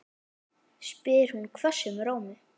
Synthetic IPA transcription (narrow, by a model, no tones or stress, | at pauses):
spɪːɾ̥hunkʰvɛ̥sɛmɾaːwmɪ